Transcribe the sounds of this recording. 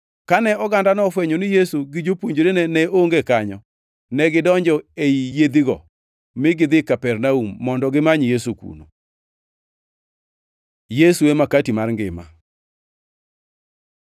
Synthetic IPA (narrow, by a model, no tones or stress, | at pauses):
kanɛɔɡandanɔfwɛɲonɪjesuɡɪd͡ʒopwoɲd͡ʒoɾenɛnɛoŋɡekaɲɔ | nɛɡɪdɔɲd͡ʒɔeijed̪iɡɔ̰ | mɪɡɪd̪ɪkapɛrnaumːɔndɔɡɪmaɲjesukṵno̰ | jesuemakatimarŋɡɪ̰ma̰